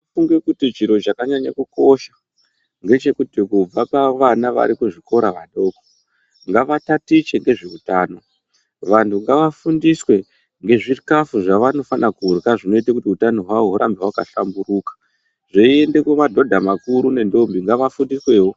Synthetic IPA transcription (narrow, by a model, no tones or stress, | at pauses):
ifuŋɡe̞kutit͡ʃiɾo̞t͡ʃakaɲaɲa̰kuko̞ʃḁ | ŋɡe̞t͡ʃe̞kutikub͡vapaʋanaʋa̰ɾikuʐiko̞ɾaʋaɗo̞ːko̥ | ŋɡaʋatatit͡ʃe̞ŋɡe̞ʐeutaːno̞ | ʋantʰuŋɡaʋafundiswe̞ | ŋɡe̞ʐikafuʐaʋano̞fanakuurkaʐino̞itakutiutano̞ɦwaoɦuɾambewakaɬambuɾuːkḁ | ʐeie̞nde̞kwemadʱo̞dʱamakuɾune̞ndo̞mbiŋɡaʋafundiswe̞ːwo